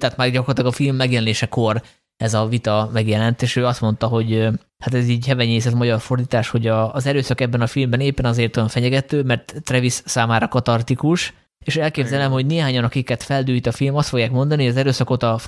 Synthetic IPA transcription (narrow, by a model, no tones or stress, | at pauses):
t̪aːt̪maːrɟɒkorlt̪lɒɡɒfilmːɛɡjɛlɛneːʃɛko̞r | ɛzɒvit̪ɒmɛɡjɛlɛnt̪eːʃøːɒst̪mo̞nt̪ɒɦo̞ɟ | hat̪ɛziːɟhɛvɛɲeːsɛzɒmɒɟɒrfo̞rd̪iːt̪aːʃho̞ɟɒːzɛɾøːsɒkɛbːɛnɒfilmbɛneːpːɛnɒzeːrt̪ojɒɱfɛɲɛɡɛt̪øːmɛrt̪ːrɛvisːaːmaːɾɒkɒt̪ɒrt̪ikuʃ | eːʃɛlkeːbzɛlɛmho̞ɟneːɦaːɲɒnɒkikːɛt̪fɛld̪yːjt̪ɒfilmɒst̪fo̞ɡjaːkmo̞nd̪ɒnihojɒzɛɾøːsɒko̞t̪ɒ